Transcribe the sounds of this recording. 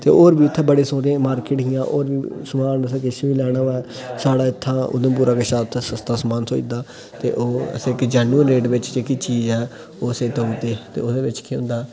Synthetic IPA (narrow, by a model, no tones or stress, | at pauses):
t̪ḛːʔoːɾbiːɪt̪ʰːãːbəɽeːsõːɾẽːmaːɾkɪʈɦɪjãːʔo̰ːɾbiːsəmaːnəsːkɪʃʋiːlɛːɽ̃aːʋɛː | saːɽaːɪt̪ʰːãːʊ̰d̪ənp̬uːɾaːkəʃaːt̪ʰːsəst̪ʰaːsmaːnsoːḭd̪aː | t̪ḛːʔo̰ːsɪkd͡ʒɛːnuːənɾeːɖʋɪt͡ʃd͡ʒeːkiːt͡ʃiːd͡ʒɛː | oːsẽːt̪õːʋiːt̪eːt̪ḛːʊd̪eːʋɪt͡ʃkʰiʊ̰̃nd̪aː